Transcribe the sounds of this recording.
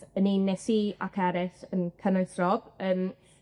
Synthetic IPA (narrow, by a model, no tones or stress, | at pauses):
əninɛsia̰kʰɛɾɪθənkʰənəθrɔb̥əːm